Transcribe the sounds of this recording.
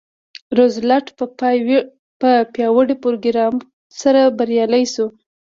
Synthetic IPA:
ɾozlaʈpəpɑjw | pəpjɑwəɽepoɾoɡɾɑm | saɾabaɾjɑlajsu

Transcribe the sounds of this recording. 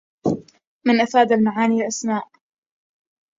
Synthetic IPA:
mɪnʔafaːd̪alnaʕaːnilʔasmaːʔ

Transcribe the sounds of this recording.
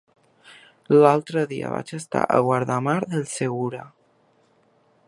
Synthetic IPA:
lalˠt̪ɾəðiə̰βa̰t͡ʃəst̪a̰ʔəɣwaɾðamaɾðəlˠseɣuɾa

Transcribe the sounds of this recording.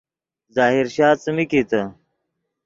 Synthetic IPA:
zaːɦiɾɕaːt͡sɐmikit̪ɐ

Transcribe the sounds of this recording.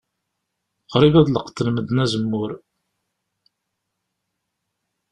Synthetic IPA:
qɾivæðləqt̪ːəlməd̪næzəmːʊɾ

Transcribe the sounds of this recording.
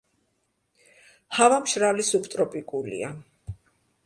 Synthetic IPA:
havamʃɾalisupʰt̪ʼɾɔpʼikʼulḭa

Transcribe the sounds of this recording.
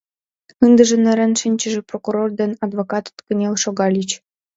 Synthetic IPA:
ɯnd̪ə̆ʒə̆nĕɾĕnʃinʲt͡ɕə̆ʒĕprokuɾord̪enɑd̪βokɑt̪t̪kə̆nʲelʃoɣɑlʲit͡ɕ

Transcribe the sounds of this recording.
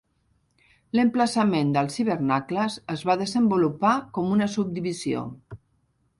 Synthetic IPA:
ləmpləsəmend̪əlˠsiβəɾnakləzəzβaðəzəmbulupakɔmunəsub̚d̪iβizio̰

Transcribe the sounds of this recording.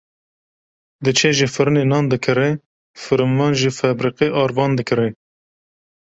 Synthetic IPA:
d̪ɨt͡ʃʰeːʒifɨɾɨneːnɑːnd̪ɨkʰɨɾe | fɨɾɨmvɑːnʒiːfɛbɾiqeʔɑːɾvɑːnd̪ɨkʰɨɾe

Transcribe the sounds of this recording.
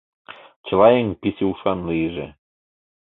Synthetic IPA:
t͡ɕə̆lɑjeŋpisiuʃɑnliʒḛ

